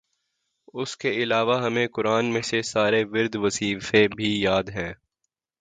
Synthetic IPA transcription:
ʊskeɪlaːʋaɦɐmẽkʊɾaːnmẽsesaːɾeʋɪɾd̪ʋɐziːfebʱijaːd̪ɦɛ̃ː

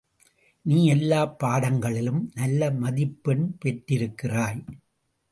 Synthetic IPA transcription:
niːɛlːaːpːaːɽɐŋɡɐɭɪlɯmnɐlːɐmɐðɪpːɛɳpɛʈrɪɾɯkːɪraːj

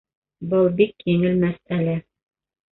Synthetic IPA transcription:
bɤlˠbikjɘŋɘlmæsælæ

